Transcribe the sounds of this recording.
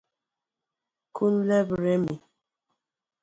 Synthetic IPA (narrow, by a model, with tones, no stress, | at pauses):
kʰu˦llɛ˦bɾɛ˦mi˨